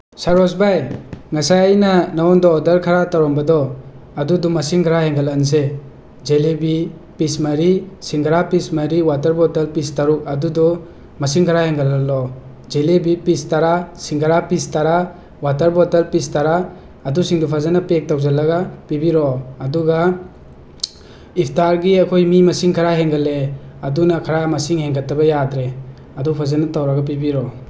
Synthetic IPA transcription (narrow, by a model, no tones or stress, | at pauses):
saɾɔsbajŋasajajnɐnawɔndɔːdɐɾkʰaɾataɾɔmbɐdɔ | ɐdudumɐsiŋɡʱɾaheŋɡalans̬e | d͡ʒelebi | pismaɾisiŋɡɾapismaɾiwatɐɾbɔtelpistaɾuk̚ɐdudɔ | mɐsiŋɡʰaɾaheŋɡalalːɔ | d͡ʒelebipistaɾasiŋkʰaɾapistaɾa | watɐɾbɔtelpistaɾaː | dusiŋdupʰazanapek̚tawzalːɐɡapibiɾɔːduɡa | ipʰtaɾɡiakʰojmimɐsiŋkʰaɾaɦeŋɡaleɐdunɐkʰaɾamɐsiŋheŋɡatɐbɐjadɾe | ɐdupʰazanɐtawɾaɡap̬ibiɾɔ